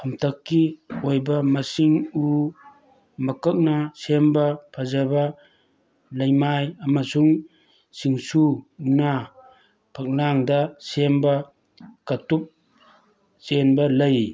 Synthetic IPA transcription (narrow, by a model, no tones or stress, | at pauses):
pʰamtʰɐkːiojbɐmasiŋu | mɐkɐk̚nasembapʰazaba | lɐjmajɐmasuŋ | siŋsuna | pʰak̚naŋdɐsemba | katup̚ | t͡ʃenbɐlɐj